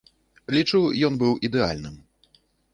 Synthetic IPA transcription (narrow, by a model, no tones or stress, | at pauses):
lʲit͡ʂujɔnbɨwʔid̪ɛa̰lʲnɨm